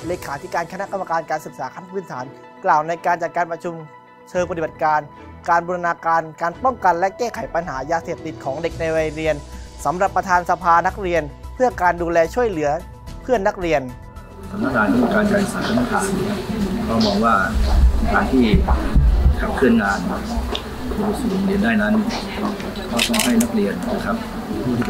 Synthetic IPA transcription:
leː˧kʰaː˩˦t̪ʰi˦˥kaː˧nkʰa˧na˦˥ka˧mːa˧kaː˧nkaː˧nsɯ˨˩k̚saː˩˦kʰa˧˥˧pʰɯ˥˩nt̪ʰaː˩˦n | klaː˨˩wna˧jkaː˧nt͡ɕa˨˩kaː˧npɾa˧t͡ɕʰu˧m | t͡ɕʰɤː˧ŋpa˧t̪ʰi˨˩ba˨˩t̪̚kaː˧n | kaː˧nbo˧ɾa˧naː˧kaː˧nkaː˧npɔ˥˩ŋka˧nlɛ˦˥kɛː˥˩kʰa˩˦jpa˧nɦaː˩˦jaː˧seː˨˩p̚t̪i˨˩t̪̚kʰɔː˩˦ŋde˨˩k̚na˧jɾaː˧ɾi˧ənsa˩˦mɾa˨˩pːɾa˧t̪ʰaː˧nsa˧pʰaː˧na˦˥k̚ɾi˧ənpʰɯ˥˩ɐkaː˧nduː˧lɛː˧t͡ɕʰu˥˩əjlɯ˩˦ɐ | pʰɯ˥˩ənːa˦˥k̚ɾi˧ən | t̪ʰa˧mnaː˧˥˩k̪ʰaː˨˦nk̪ːuː˧˩kaː˧nt͡ɕa˧˩jsaː˨˦ŋt̪ʰa˧mna˥˩t̪ʰaː˨˩˦nkʰɔ˧˥˩bɔː˨˩k̚waː˥˩˧t̪ʰaː˧˩ŋt̪ʰiː˥˩ | kʰa˨˧˩p̚kʰɯ˥˩ənŋaː˧n | duː˧˩su˨˩˨li˧əndaː˥˩jna˦˥n | kʰɔː˦˥˩t̪ɔ˥˩ŋɦa˥˩jna˦˥k̚ɾi˧ən˨t͡ɕa˧˩kʰa˦˥p̚ʰː

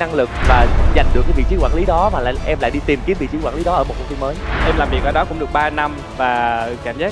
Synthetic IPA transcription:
na˧ŋlɨ˨˩k̚vaː˨˩za˨˩jŋɨ˨˩kːaː˨˦vḭ˧˨t͡ɕi˨˦kwaː˧˩li˨˦ɗɔ˨˦maː˨˩la̰ː˧˨ʔɛ˧mla̰ː˧˨jɗi˧t̪i˨˩mki˨˦əmvḭ˧˨t͡ɕi˨˦˥kwaː˧˩ŋli˨˦ɗɔ˨˦ʔəː˧˩mo˨˩t̚ku˧˩wi˧məː˨˦jʔɛ˧mlaː˨˩mvi˨˩ək̚ʔə˧˩ɗɔ˨˦kʊ̰˧˥ŋ͡mɗɨ˨˩k̚ɓaː˧na˧m | vaː˨˩kaː˧˩mzaː˦˥

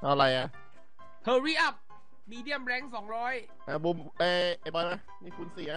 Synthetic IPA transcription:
ʔa˧˩ɾa˧jʔa˨˧˩ | t̪ʰəː˧ɾiː˥˩ʔa˦˥˩p̚ | miː˧di˥˩əmɾɛː˧˥ŋsɔː˩˦ŋɾɔː˦˥j | ʔa˧˩bu˧mʔeː˧˩ʔe˧˩bɔː˧a˧˦˩ | miː˧˩kʰu˧nsiː˩˦a˦˧˥

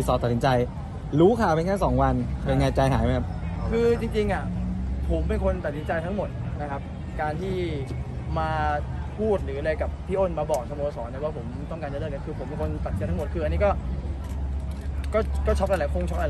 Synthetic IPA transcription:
sɔː˨˦t̪a˨˩si˩˦t͡ɕa˧j | ɾuː˦˥kʰaː˨˩wpe˧nŋaː˥˩nsɔː˩˦ŋwa˧npe˧nŋaː˧jt͡ɕa˧jɦa̰ː˩˦ja˦˥kʰa˦˥p̚kʰɯː˧t͡ɕi˧ŋt͡ɕi˧ŋʔa˨˩pʰo˩˦mːe˧nkʰo˧nt̪a˨˩si˩˦t͡ɕa˧jt̪ʰa˦˥ŋmo˨˩t̪̚na˦kʰa˦˥p̚ | kaː˧nt̪ʰiː˥˩ | maː˧pʰuː˥˩t̪̚ɾɯː˩˦a˧ɾa˧jka˨˩pʰːiː˥˩ʔoː˥˩nmaː˧bɔː˨˩k̚sa˧mo˧sɔː˩˦nda˧˩waː˥˩pʰo˩˦mt̪ɔ˥˩ŋkaː˧nt͡ɕa˧lɤː˥˩k̚a˧kʰɯː˧pʰo˨˩˦mːe˧˩nkʰo˧ntt̪a˨˩st͡ɕa˧t̪ʰa˦˥mo˨˩t̪̚kʰɯː˧a˧ni˦˥kɔː˥˩ | kɔː˥˩kɔː˥˩t͡ɕʰɔ˦˥p̚ʔa˧˩lɛ˨˩˦kʰo˧˥˩ŋt͡ɕʰɔ˦˥p̚ʔa˧l

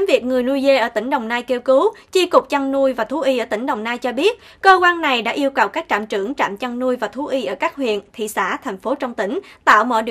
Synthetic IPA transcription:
mvi˨˩ək̚ŋɨ˨˩əjnu˧jze˧ʔəː˧˩t̪ï˧˩ŋ̟ɗə˨˩wŋ͡mnaː˧jke˧wkɨ˨˦wt͡ɕi˧kʊ˨˩k͡p̚t͡ɕa˧ŋnu˧jvaː˨˩t̪ʰu˨˦ʔi˧ʔəː˧˩t̪ï˧˩ŋɗə˨˩wŋ͡mnaː˧jt͡ɕɔ˧ɓi˦˥ət̚ | kəː˧kwaː˧nna˨˩jɗa̰ː˧˥ʔi˧əwkə˨˩wkaː˦˥k̚t͡ɕa̰ː˧˨mt͡ɕɨ˧˩əŋt͡ɕa̰ː˧˨mt͡ɕa˧ŋnu˧əjvaː˨˩t̪ʰu˨˦ʔi˧ʔəː˧˩kaː˦˥k̚hwḭ˧˨ənt̪ʰḭ˧˨sa̰ː˧˥t̪ʰɛ˨˩ŋ̟fo˨˦t͡ɕɔ˧wŋ͡mt̪ï˧˩ŋ̟t̪a̰ː˧˨wmɔ̰˧˨jɗɨ˨˩

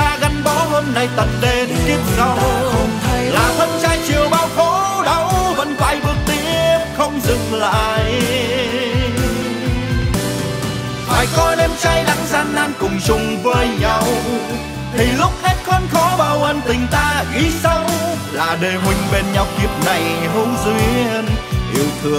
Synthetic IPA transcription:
aː˧ɣa˨˦ŋ̟ɓɔ˨˦həː˧nːa˨˩jt̪ə˨˩nɗe˧t̪ki˦˥əp̚zə˧w | laː˨˩t̪ʰə˧nt͡ɕaː˧jt͡ɕi˨˩əwɓaː˧wfo˨˦ɗə˨˧wvə̰˧˥nva̰ː˧˨˩jɓɨ˨˩ək̚t̪i˧˦˥əp̚xə˧wŋ͡mzɨ̰˨˧˨ŋla̰ː˧˨j | fa̰ː˧˨˩jkɔ˧nɛ˧mt͡ɕaː˧jla̰˧˨˥ŋzaː˧nʔaː˧nkʊ˨˩ŋ͡mzʊ˨˩ŋ͡mvəː˨˩jɲa˧w | t̪ʰi˨˩lʊ˦˥k͡p̚he˦˥t̚xə˧nxɔ˨˦ɓaː˨˩wʔə˧˩nt̪ï˨˩ŋ̟t̪aː˧ʔi˨˦sa˧w | laː˨˩ɗə˨˩jɦwï˨˩ŋ̟ɓe˨˩nɲa˨˩wk͡p̚ki˨˩əp̚na˨˩jɦə˧˦wzwi˧ənʔḭ˧˩əwt̪ʰɨ˨ə

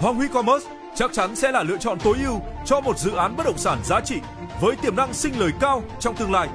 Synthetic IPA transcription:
hwaː˧nhwi˧˦˥kɔ˧məː˦˥s | t͡ɕa˦˥k̚t͡ɕa˨˦nsɛ̰˧˥laː˨˩lɨ̰˧˨ət͡ɕɔ̰˧˨nt̪o˨˦jʔi˧əwt͡ɕɔ˧mo˨˩t̚zɨ̰˧˨ʔaː˨˦nɓə˦˥t̚ɗə̰˨˩wŋ͡msaː˧˩nzaː˨˦t͡ɕḭ˧˨ | vəː˨˦jt̪i˧˩əmna˧˨ŋsï˧ŋ̟ləː˨˩jkaː˧wt͡ɕɔ˧wŋ͡mt̪ɨ˧əŋlaː˧j

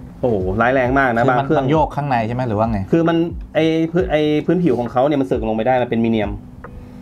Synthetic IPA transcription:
ʔoː˨˩laː˦˥jlɛː˧ŋmaː˥˩k̚na˦˥baː˧ŋpʰɯ˥˩əŋjoː˥˩kʰːaː˥˩ŋna˧jʰa˥˩ma˦˥jɾɯː˩˦waː˧˥˩ŋa˧˩jkʰɯː˧ma˧nʔa˧˩jpʰɯː˦˥ʔa˧jpʰɯː˦˥npʰi˨˩˦wkʰɔː˩˦kʰa˦˥wni˥˩ma˧nsɯː˨˩k̚a˧lpa˧jdaː˥˩jma˧˥npe˧nmiː˧ni˧əm

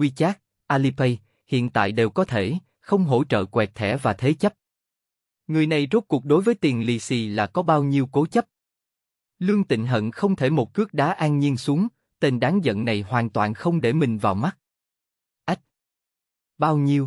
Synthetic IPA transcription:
wi˧t͡ɕaː˦˥k̚ | ʔaː˧li˧pə˧j | hḭ˧˨ənt̪a̰ː˧˨jɗe˨˩wkɔ˨˦t̪ʰe˧˩ | xə˧wŋ͡mɦo̰˧˥t͡ɕə̰ː˧˨kwɛ˨˩k̚t̪ʰɛ̰˧˩vaː˨˩t̪ʰe˨˦t͡ɕə˦˥p̚ | ŋɨ˨˩əjna˨˩jzo˦˥t̚ku˨˩k̚ɗo˨˦jvəː˨˦jt̪i˨˩ənli˧si˧laː˨˩kɔ˨˦ɓaː˧wɲi˧əwko˨˦t͡ɕə˦˥p̚ | lɨ˧əŋt̪ḭ˧˨ŋ̟ɦə̰˧˨nxə˧wŋ͡mt̪ʰe˧˩mo˨˩t̚kɨ˦˥ək̚ɗaː˨˦ʔaː˧nɲi˧ənsu˨˦əŋ | t̪e˧nɗaː˨˦ŋzə̰˧˨nna˨˩jhwaː˨˩nt̪waː˨˩nxə˧wŋ͡mɗe˧˩mï˨˩ŋ̟vaː˨˩wma˦˥k̚ | ʔa˦˥k̚ | ɓaː˧wɲi˧əw

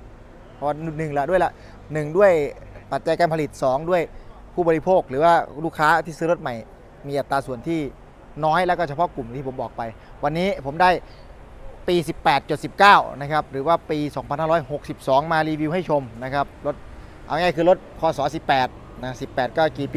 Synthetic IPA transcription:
pʰɔ˧wa˧˩nu˨˩nɯ˨˩ŋla˨˩ʔdu˥˩əjla˨˧˦ | nɯ˨˩ŋdu˥˩əjpa˨˩t̪̚t͡ɕa˧jkaː˧npʰa˧li˨˩t̪̚sɔː˩˦ŋdu˥˩əj | pʰuː˥˩ɔ˧ɾi˧˥pʰoː˥˩k̚ɾɯː˩˦waː˥˩luː˥˩kʰaː˦˥t̪ʰiː˥˩sɯː˦˥ɾo˦˥t̪̚ma˨˩j | miː˧ʔa˨˩t̪ːaː˧su˨˩ənt̪ʰiː˥˩ | nɔː˦˥jlɛ˧˦˥wkɔː˥˩t͡ɕʰa˧pʰɔ˦˥ku˨˩mt̪ʰiː˥˩o˩˦mbɔː˨˩k̚pa˧jwa˧nːiː˦˥pʰo˩˦mdaː˥˩j | piː˧si˨˩pːɛː˨˩t̪̚t͡ɕo˨˩t̪̚si˨˩p̚kaː˥˩wna˦˥kʰa˦˥p̚ɾɯː˩˦waː˥˩piː˧sɔː˩˦ŋpʰa˧nhaː˥˩ɾɔː˦˥jho˨˩k̚si˨˩p̚sɔː˩˦ŋmaː˧ɾiː˧wi˧wha˥˩jt͡ɕʰo˧mna˦˥kʰa˦˥p̚lo˦˥t̪̚ | ʔa̰˧ŋaː˥˩jkʰɯː˧lo˦˥t̪̚kʰɔː˨˩sɔː˩˦si˨˩pːɛː˨˩t̪̚ | na˦˥si˨˩pːɛː˨˩t̪̚kɔː˥˩kiː˨˩pi˧

